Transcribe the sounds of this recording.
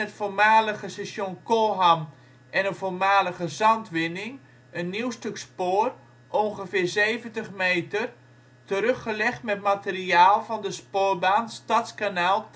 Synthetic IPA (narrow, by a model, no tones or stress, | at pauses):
ətformaːləɣəsɛsjonkoːɦam | ʔɛnənvormaːləɣəzɑntʋɪnɪŋ | ənːiwstøkspoːr | ʔɔnɣəfɪːrzeːvəntəχmeːtər | təɾøxəlɛχtmɛtmateriaːlˠvɑndəspoːrbaːnstatskanaːlˠ